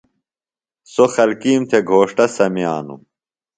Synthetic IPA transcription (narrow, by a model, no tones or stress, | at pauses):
soxɐlkiːmt̪ʰeɡʱoːʂʈɐsɐmija̰ːnṵ